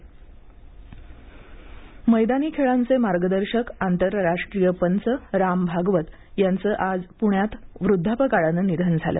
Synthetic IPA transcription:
məjd̪aniːkʰeɭant͡semaɾɡəd̪əɾɕəkant̪əɾɾaʂʈɾijəpənt͡səɾambʱaɡʋət̪ | jant͡səːʔad͡zpuɳjat̪ʋɾud̪ʱːapəkaɽanənid̪ʱənd͡zʱa̰lə̰

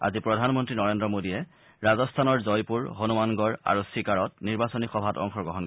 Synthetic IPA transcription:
a̰zipɹɔdʱanmɔntɹinɔɹendɹɔmodiɛ | ɹazɔstʰanɔɹzɔjpuɹɦonumanɡɔɹa̰ɹusikaɹɔtniɹbasonixɔbʱatɔ̰ŋxʰɔɹɡɔɦɔnk

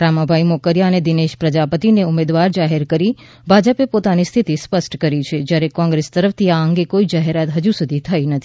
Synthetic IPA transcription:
ɾamabʱaimokəɾjaəned̪ineʃpɾəd͡ʒapət̪ineumed̪ʋaɾd͡ʒaɦeɾkəɾi | bʱad͡ʒəpepot̪anist̪ʰit̪ispəsʈkəɾit͡ʃʰed͡ʒjaɾekɔ̃ŋɡɾest̪əɾəft̪ʰiaəŋɡekoid͡ʒaɦeɾat̪ɦəd͡ʒusud̪ʱit̪ʰəjnət̪ʰi̥

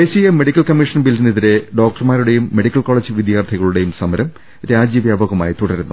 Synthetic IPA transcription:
esijemːe̞ɽikʲːɐlkɐmːiʂɐnbilːiniðiɾe̞ɖo̞ːk̚ʈɐrmaːɾuɽe̞jumːe̞ɽikʲːɐlko̞ːɭɐd͡ʑɨʋid̪jaːrt̪ʰiɣɐɭuɽe̞jumsɐmɐɾɐm | ɾaːd͡ʑiɐʋjaːbɐɣɐmaːjit̪uɽɐɾunːu

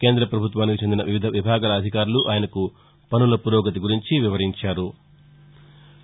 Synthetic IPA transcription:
ke̞ːnd̪ɾɐpɾɐbʱut̪ʋaːnikit͡ʃe̞nd̪inɐʋiʋid̪ʱɐʋibʱaːɡaːlɐːd̪ʱikaːɾuluʔaːjɐnɐku | pɐnulɐpuɾɔːɡɐt̪̬iɡuɾiɲt͡ʃiʋiʋɐɾiɲt͡ʃaːɾu

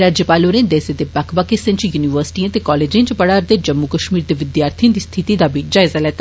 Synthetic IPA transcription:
ɾaːd͡ʒjəpaːloːɾẽːd̪eːsed̪ebakʰbaːkɪsɪ̃nt͡ʃjuːniʋəɾsɪ̥ʈiãt̪ekɔːleːd͡ʒẽːnt͡ʃpəɽaːɾd̪ed͡ʒəmːukəʃmiːɾd̪eːʋɪd̪jaːɾt̪ʰiə̃d̪iːst̪ʰɪt̪id̪aːbʱid͡ʒaːɪzaːlɛːt̪a

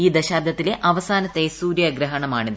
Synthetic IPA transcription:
iːd̪ɐɕaːbd̪ʱɐt̪ːile̞ʔɐʋɐsaːnɐt̪ːeːsuːɾjɐɡɾɐɦɐɳɐmaːɳiðɨ

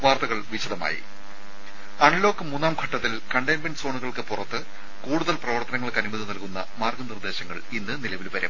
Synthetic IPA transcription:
ʋaːrt̪ɐɣɐɭʋiɕɐðɐma̰ːjḭ | ɐɳlo̞ːkːɨmunːaːmɡʱɐʈːɐt̪ːilkɐɳɖenbenɖɨsoːɳuɣɐɭkɨpurɐt̪ːɨ | kuːɽuðɐlprɐʋɐrt̪ɐnɐŋːɐɭkɐnimuðɐnɐlkunːɐmaːrɡɨnird̪e̞ːɕɐŋːɐ̰ɭinːɨnilɐʋilʋɐɾɐ̰m

